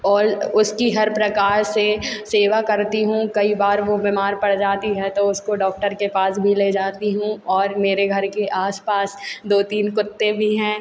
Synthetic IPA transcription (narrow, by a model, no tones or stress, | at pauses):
ɔːɾʊskiɦɐɾpɾɐkaːɾseseːʋakɐɾt̪iɦũkɐibaːɾʋobɪmaːɾpɐɽd͡ʒaːt̪iɦɛt̪oʊskoɖɔːk̚ʈəɾkepaːsbʱiled͡ʒaːt̪iɦũɔːɾmeːɾeɡʱɐɾkeʔaːspaːsd̪oːt̪iːnkʊt̪ːẽbʱiɦɛ̃ː